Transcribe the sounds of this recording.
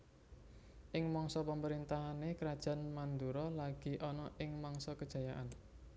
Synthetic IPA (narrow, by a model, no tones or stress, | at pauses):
ʔɪŋmɔŋsɔpəməɾint̪aɦanekəɾad̥ʒ̥a̤nmand̪uɾɔlaɡ̥i̤ʔɔnɔʔɪŋmɔŋsɔkəd̥ʒ̥a̤jaʔan